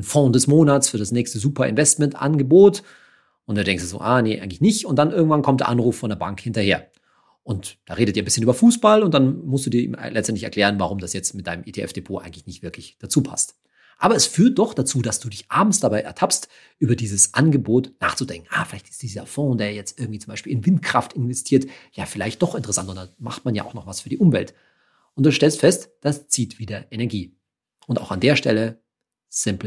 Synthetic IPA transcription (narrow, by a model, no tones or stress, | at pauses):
nfɔ̃ːdɛsmoːnat͡sfyːɐɾasnɛːçstəzuːpɐɪ̰nvɛstmɛntʔa̰nɡəboːt | ʔʊntd̥uːdɛŋksduzo̰ːʔaːneʔa̰ɪɡŋ̩tlɪçnɪçtʊntd̥anʔɪɐɡŋ̩tv̥ankʰɔmtd̥ḛɐ̰ʔanʁuːfːɔndeːɐbaŋkhɪntɐheːɐ | ʔʊntd̥aːʁeːdətd̥iːɐnbɪsçənyːbɐfuːsb̥alʊntd̥anmʊstd̥uːdiːɐḭmlɛt͡stʔɛntlɪçɛɐkl̥ɛːʁənvaʁʊmdasjɛt͡stmɪt̚d̥aɪnəmʔeːtʰeʔɛ̰fd̥epʰoːʔa̰ɪɡŋ̩tlɪçnɪçtvɪɐkʰlɪçd̥at͡suːpʰa̰st | ʔa̰ːbɐɛsfyːɐt̚d̥ɔχd̥at͡suːdasd̥uːdɪçʔa̰ːbm̩sd̥abaɪʔɛɐtʰapst | ʔyːbɐdiːzəsʔanɡəboːtna̰ːχt͡sudɛŋkŋ̩ʔaːfɪlaɪçtɪ̥std̥iːzɐfɔ̃ːdeːɐjɛt͡stʔɪɐɡŋtv̥iːt͡sʊmbaɪʃpiːlɪnvɪntkʁ̥aftɪnvɛstʰiːɐtjaːfɪlaɪçt̚d̥ɔχɪntəʁɛsantʊntdama̰χtmanja̰ːʔʊxnɔχv̥asfyːɐdiːʔʊmvɛlt | ʔʊntd̥uːʃtɛlstfɛstd̥ast͡siːtv̥iːdɐʔenɛɐɡiː | ʔʊnta̰ʊxandeːɐʃtɛlə | z̥ɪmpl